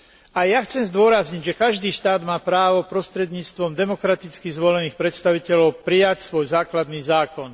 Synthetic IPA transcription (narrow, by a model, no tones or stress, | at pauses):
ajaxt͡sɛmzd̪ʊɔɾazɲiɟʒɛkaʒd̪iːʃt̪aːd̪maːpɾaːʋɔpɾɔst̪ɾɛd̪ɲiːt͡st̪ʋɔmd̪ɛmɔkɾat̪it͡skizʋɔlɛniːxpɾɛt̪st̪aʋicɛʎɔʊpɾijacsʋɔjzaːklad̪niːzaːkɔn